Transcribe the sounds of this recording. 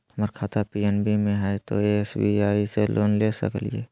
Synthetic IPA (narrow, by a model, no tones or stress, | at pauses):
həmaɾkʰaːt̪ʰapiɛnbʱimẽɦɛet̪oeɛsbiaːiselʔoːnlesə̰klie